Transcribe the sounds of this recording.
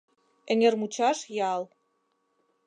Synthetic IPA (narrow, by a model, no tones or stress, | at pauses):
ɘ̆ŋĕrmut͡ɕɑʃjɑl